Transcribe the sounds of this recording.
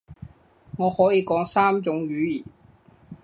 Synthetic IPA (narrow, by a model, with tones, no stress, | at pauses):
ŋɔː˨˧hɔː˨˥jiː˨˧kɔː˨˥ŋsaː˥mt͡sʊ˨˥ŋjyː˨˧jiː˨˩n